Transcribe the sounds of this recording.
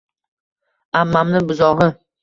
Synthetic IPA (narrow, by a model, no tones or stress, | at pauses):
amːamnɪbʊzɒʁɨ